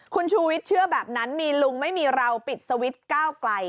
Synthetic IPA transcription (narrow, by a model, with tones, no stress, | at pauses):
kʰu˧nt͡ɕʰuː˧wi˦˥t̪̚t͡ɕʰɯ˥˩əbɛː˨˩p̚na˦˥nmiː˧lu˧ŋma˥˩jmiː˧ɾa˧wpi˨˩t̪̚sa˧wi˦˥t̪̚kaː˥˩wkla˧j